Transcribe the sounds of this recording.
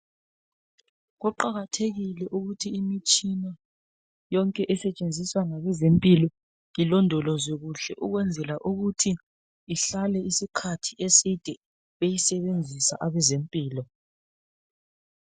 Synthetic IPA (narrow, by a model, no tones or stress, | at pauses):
ɣɔǃaɣatʰeɣilɛʔuɣutʰiːmit͡ʃʼina | jɔŋkʼɛʔɛsɛt͡ʃʼend͡zʱiswaŋaβɛzempʼilɔ | ilɔndʱɔlɔzɛɣuɬɛʔuɣwɛnd͡zʱɛlaʔuɣutʰiː | ɬalɛisikʰatʰiesid̥ʱɛ | βejisɛβend͡zʱisa̰ʔaβɛzempʼiːlɔ